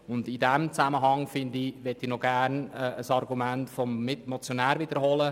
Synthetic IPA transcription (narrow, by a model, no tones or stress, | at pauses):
ʊndidɛmt͡sæməɦɑŋfɪndiʋɛtːinoɡ̥ærnəəsɑrɡumæntfɔmːɪtmɔt͡sjonæːɾʋid̥̪əɾhɔlə